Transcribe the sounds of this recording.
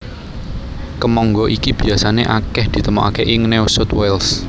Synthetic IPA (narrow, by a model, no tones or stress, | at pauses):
kəmɔŋɡɔʔikib̥i̤asaneʔakɛhd̪̥i̤t̪əmɔ̰ʔa̰keʔɪŋnewsʊt̪wɛls